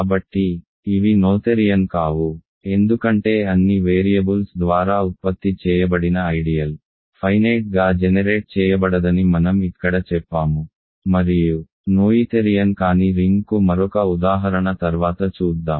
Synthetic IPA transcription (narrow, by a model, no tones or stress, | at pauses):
kaːbɐʈːiː | ʋinoːt̪eɾijɐnkaːʋu | e̞nd̪ukɐɳʈe̞ːɐnːiʋeːɾijɐbulsd̪ʋaːɾaːupːɐt̪ːit͡ʃɛːjɐbɐɽinɐɐjɖijɐl | pʰɐjnɐjʈ̚ɡaːd͡ʒɛnɐɾeːʈ̚t͡ʃɛːjɐbɐɽɐd̪ɐnimɐnɐmikːɐɽɐt͡ʃɛpːaːmu | mɐɾiju | noːjit̪eɾijɐnkaːniɾiŋɡkumɐɾɔkɐud̪aːɦɐɾɐɳɐt̪ɐɾʋaːt̪ɐt͡ʃuːd̪ːaːm